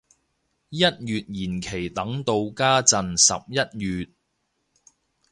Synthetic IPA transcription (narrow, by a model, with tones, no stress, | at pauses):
jɐ˥t̚jyː˨t̚jiː˨˩nkʰe˨˩jt̪ɐ˨˥ŋt̪o˧wkaː˥t͡sɐ˨nsɐ̰˨p̚jɐ˥t̚jyː˨t̚